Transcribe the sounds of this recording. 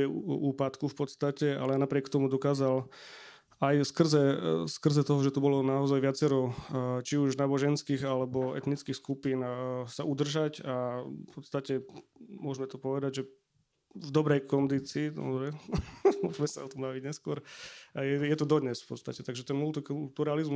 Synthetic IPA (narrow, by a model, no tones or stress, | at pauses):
ɛuːpat̪kufpɔt̪st̪acɛa̰lɛanapɾɪɛkt̪ɔmud̪ɔkaːzal | ajskr̩zɛskr̩zɛt̪ɔɦɔʒɛt̪ubɔlɔnaɔzajʋɪat͡sɛɾɔt͡ʃiuʒnaːbɔʒɛnskiːɣalɛbɔɛ̰t̪nit͡skixskupiːnsaud̪r̩ʒacapɔt̪st̪acɛmʊɔʒmɛt̪upɔʋɛd̪aɟʒɛ | vd̪ɔbɾɛjkɔnd̪it͡siːɾɛmʊɔʒmɛsa̰ɔt̪ɔmbaʋiɟɲɛskʊɔɾjɛjɛt̪ud̪ɔd̪ɲɛsfpɔt̪st̪acɛt̪aɡʒɛt̪ɛnmult̪iklt̪uɾalizm